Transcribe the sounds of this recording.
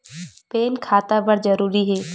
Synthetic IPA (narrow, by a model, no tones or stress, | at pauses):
peːnkʰaːt̪abɐɾzɐɾuːɾiɦɛː